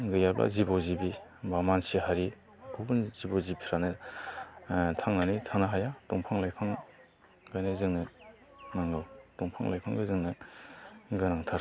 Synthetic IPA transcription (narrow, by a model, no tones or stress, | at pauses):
ɡɯjablʔa̰zibɔzibibamansiɦaɾi | kʰubɯnzibɔzipʰiɾanɯ | tʰaŋnanitʰanaɦajatɔŋpʰaŋlajpʰaŋ | ɡajnɯzɯŋnɯ | naŋɡɯwtɔŋpʰa̰ŋlʔa̰jpʰaŋɡɯzɯŋnɯ | ɡɯnaŋtʰaɾ